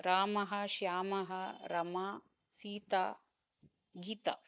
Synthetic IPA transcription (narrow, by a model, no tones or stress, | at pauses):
ɾaːmɐɦɐ̆ʃjaːmɐɦɐɾɐma | siːt̪a̰ː | ɡiːt̪ɐ̰